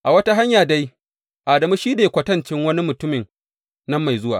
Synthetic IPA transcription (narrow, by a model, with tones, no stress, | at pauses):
ʔa˨wɐ˦ta˦ɦa˦ɲjaː˨da˦j | ʔa˨dɐ˨mi˦ʃiː˦deː˨kʷɐ˨˦tɐ˦nt͡ʃɪ˦ŋwɐ˦ni˦mʊ˨tʊ˦mɪ˨n | nɐ˦mːa˨jzʊ˦waː˨